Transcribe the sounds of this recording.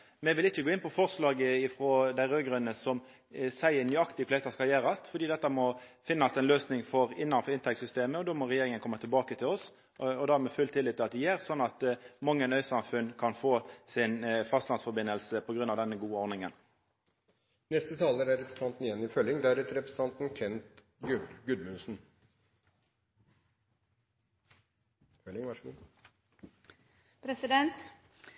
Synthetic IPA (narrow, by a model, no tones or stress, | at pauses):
mɛʋɪlɪt͡ʃːəɡoːɪnpʰɔfɔʁslɑːɡəɪfɾɔd̪æɪʁøːɡɾʉnːəsɔm | sæɪənyːɑkt̪ɪəkʰlɛst̪ɑskɑljæːɾɑst̪fɔɾd̪iːd̪ɛt̪ːəmɔfɪnːɑsɛnløːsnɪŋfɔʁɪnːɑnfɔɪnt̪ɛksʏst̪eːməɔd̪oːmɔʁɛjeːɾɪŋənkʰɔmːət̪ʰɪlbɑːkət̪ʰɪlɔs | ɔd̪æːmɛfʉlt̪ʰɪlːɪt̪ːɪlɑt̪d̪ɛjæːʁsɔnːɑt̪mɑŋːənœʏsɑmfʉnkʰɑnfoːsɪnfɑst̪lɑnsfɔɾbɪnːəlsəpʰɔɡɾʉnːɑːʋd̪ɛnːəɡuːəɔɾnɪŋən | nɛst̪ət̪ʰɑːləɾæɾɛpɾəs̩t̪ɑnt̪n̩ɪjɛnːɪfœlɪŋd̪ææɾɛt̪əɾɛpɾə̥s̩t̪ʰɑnt̪n̩kʰɛnt̪ | ɡʉd̪ɡʉd̪mʉsn̩ | fœlɪŋʋɑʂu | pʰɾɛsɪd̪ɛnt̪